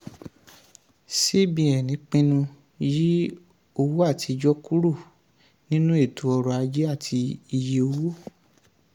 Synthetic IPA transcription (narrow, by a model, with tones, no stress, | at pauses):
se˦bĩ˧˦ɛ˨nĩ˨˦k͡pĩ˦nũ˧ | ji˦ | o˧wo˦a˦˨tʰi˨˧d͡ʒɔ˦ku˦ɾo˦˨ | nĩ˦nũ˦e˦˨tu˨˦ɔ˧ɾɔ˧a˧d͡ʒe˦a˦˨tʰi˧i˧je˧o˧wo˦